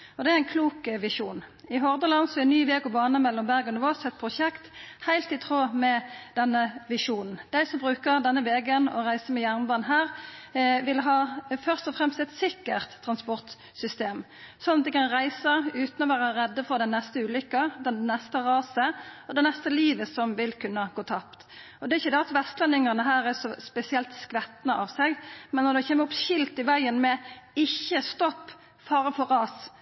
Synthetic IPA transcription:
ɔd̪ɛææɪnkʰluːkʋɪʂuːnɪɦɔʁd̪əlɑnsɔɛɪnyːʋeːɡɔbɑːnəmɛlːɔmbæʁɡɔnɪʋoːsɛt̪̚pʰʁʊʃɛkt̪hæɪlt̪ɪt̪ʰʁoːmɛd̪ɛnːəʋɪʂuːnn̩d̪̥æɪsɔmbʁʉːkəʁd̪ɛnːəʋeːɡənɔ̰ʁæɪsəmɛjæʁnbɑːnɦæːʁ | ʋɪlɦɑːfœʁst̪ɔfɾɛmst̪ɛt̪sɪkːəʁt̪ʰːʁɑnspɔʁt̪ | sʏst̪eːm | sɔnːɑt̪̚d̪ɛkɑnʁæɪsəɾʉːt̪n̩ɔʋæːɾəɾɛd̪ːəfɔɾd̪ɛnːɛst̪əʉːlʏkːəd̪ɛnːɛst̪əʁɑːsəɔd̪ɛnɛst̪əliːʋəsɔmʋɪlkʰʉnːəɡoːt̪ʰɑpt̪ | ɔd̪ɛɪçːəd̪ɛɑt̪ʋɛst̪lɛnːɪŋɑʁnəɦæːɾɛɾsɔspɛsɪɛlt̪skʋɛt̪nəʔɑʋsɛɡmɛnːɔd̪ɛçɛːməɾɔpʃɪlt̪ɪʋæɪənmɛɪçːəst̪ɔpː | fɑːɾəfɔʁɑːs

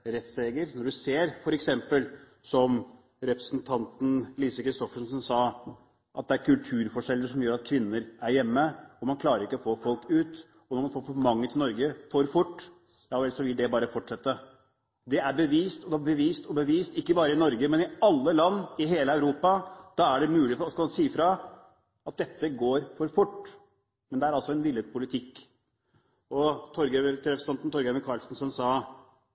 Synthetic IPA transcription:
ɾɛt̪seːɡəɾnɔɖʉseːɾfɔɾɛksɛmpəl | sɔm | ɾɛpɾəsnt̪ʰɑnt̪n̩liːsəkɾɪst̪ɔfəʂsɔnsɑː | ʔɑt̪̚d̪ɛæɾkʉlt̪ʰʉːɾfɔʂɛlːəɾʂɔmjøːɾɑt̪̚kʰʋɪnːəɾæɾjɛmːəɔmɑnkʰlɑːɾəɾɪkːəɔfoːfɔlkʉːt̪ | ɔnɔɾmɑnfoːfmɑŋːət̪ʰɪlnɔɾɡəfɔɾfʊʈː | jɑːʋɛlsɔʋɪld̪ɛbɑːɾəfɔʈʂɛt̪ːə | d̪ɛæɾbəʋiːst̪ɔd̪ɛbəʋiːst̪ɔbəʋiːst̪ɪkːəbɑːɾəɪnɔɾɡəmɛnɪɑlːəlɑnːɪɦeːləæʉɾuːpɑd̪̥ɑːæɖɛmʉːlɪfskɑlmɑnsiːəfɾɑ | ɑt̪̚d̪ɛt̪ːəɡoːɾfɔɾfʊʈː | mɛnd̪ɛæɾɑlsɔɛnʋɪləpʰʊlɪt̪ʰɪkː | ɔt̪ʰɔɾɡɛɾt̪ʰɾɛfsɑnt̪n̩t̪ɔɾɡəməɾkʰɑːlsn̩sɔmsɑː

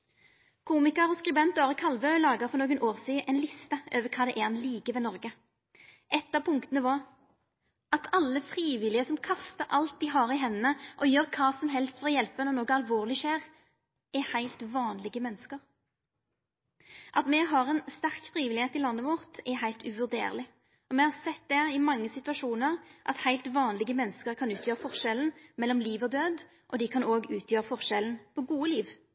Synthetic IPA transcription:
kʰuːmɪkəʁɔskɾʉbɛnt̪ɔɑːʁəkʰɑlʋœʏlɑːɡəʁfɔʁnoːɡənʔoːʁsiːʔɛnlɪst̪əʔøːʋəkʰɑːd̪ɛʔɛɑnliːkəʋɛnɔʁɡə | ʔɛt̪ːɑːʋpʰʊŋkt̪ənəʋɑʁ | ɑt̪ʰɑlːəfɾiːʋɪlɪəsɔmkʰɑst̪əɾʔɑlt̪̚d̪iɦɑːʁɪɦɛnːəʔɔjøːʁkʰɑːsɔmɦɛlst̪fɔʁɔjɛlpənɔnoːɡəɑlʋoːʁlɪʃæːʁ | ɛhæɪlt̪ʋɑːnlɪɡəmɛnːəskəʁ | ʔɑt̪mɛɦɑʁɛnst̪æʁkfɾiːʋɪlɪheːt̪ɪlɑnːəʋʊʁt̪ɛɦæɪlt̪ʉʋʉʁd̪ḛːʁlɪ | ɔmɛhɑʁsɛt̪̚d̪ɛɪmɑŋːəsɪt̪ʉɑʃuːnəʁʔɑ̰t̪hæɪlt̪ʋɑːnlɪɡəmɛnːəskəʁkʰɑnʉːt̪ʰjøːʁəfɔʁʃɛln̩mɛlːɔmliːʋɔd̪øːd̪ | ʔɔd̪ɪkʰɑnoːɡʉːt̪ʰjøːʁəfɔʁʃɛln̩pʰɔɡuːəliːʋ

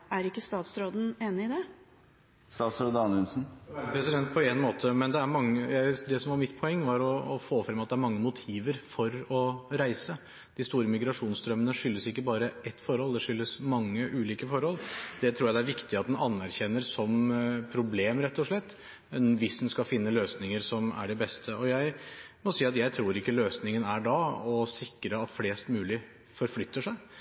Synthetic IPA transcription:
æɾɪkːəst̪ɑːt̪sɾoːd̪n̩eːnɪɪd̪ɛ | sɑːsɾɔd̪ɑːnʉnsn̩pʰɾɛsɪd̪ɛnt̪̚pʰɔenmoːt̪ʰəmɛnd̪ɛæɾmɑŋːəjæɪd̪ɛsɔmʋɑɾmɪt̪ːpʰɔɛŋːʋɑɾɔːfoːfɾɛmːɑt̪̚d̪ɛæɾmɑŋːəmʊt̪ʰiːʋəɾfɔɾɔɾæɪsə | d̪̥ɪst̪uːɾəmɪɡɾɑʂuːnst̪ɾœmːənəʂʏlːəsɪkːəbɑːɾəʔɛt̪ːfɔɾhɔld̪ɛʂʏlːəsmɑŋːəʔʉːliːkəfɔɾhɔld̪ɛt̪ʰɾuːjæd̪æɾʋɪkt̪ɪɑt̪̚d̪ɛnɑnːæɾçɛnːəɾsɔmpʰɾʊbleːmɾɛt̪ːɔʂlɛt̪ː | ɛnʋɪsd̪ɛnskɑfɪnːəløːsnɪŋəɾsɔmæ̰ɖɛbɛst̪ʰəɔjæɪmɔsiːɑt̪jæɪt̪ʰɾuːɾɪkːəløːsnɪŋənæɖɑɔsɪkɾəɑt̪fleːst̪mʉːlɪ | fɔɾflʏt̪ːəʂæɪ

